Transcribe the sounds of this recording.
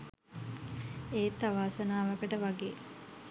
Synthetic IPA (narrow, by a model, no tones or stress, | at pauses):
eːt̪ːaʋaːsənaːʋəkəʈəʋaɡeː